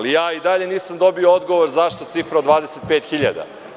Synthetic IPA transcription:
lijaːid̪aʎe̞niːsamd̪o̞biood̪ɡo̞ʋoɾzaʃt̪ot̪sifɾaod̪vʋaːd̪e̞set̪̚peːt̪xiʎa̰d̪a̰

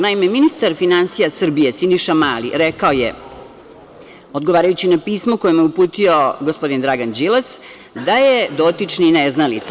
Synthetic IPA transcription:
naimeminist̪aɾfinansijasr̩bije̞siniʃamalḭɾekaojḛ | o̞d̪ɡoʋaːɾajut͡ɕinapiːsmoko̞jemjeupuːt̪io̞ɡospo̞d̪ind̪ɾaɡand͡ʑilˠas | d̪ajed̪o̞t̪it͡ʂnineznalit̪s

